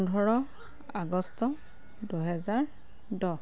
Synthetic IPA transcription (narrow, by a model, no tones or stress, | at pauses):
ndʱɔɹɔ | aɡɔstɔ | duɦɛzaɹ | dɔ